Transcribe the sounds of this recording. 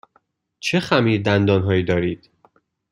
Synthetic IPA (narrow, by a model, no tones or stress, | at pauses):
t͡ʃʰexæmiːɾd̪ænd̪ɒːnɦɒːjiːd̪ɒːɾiːd̪̥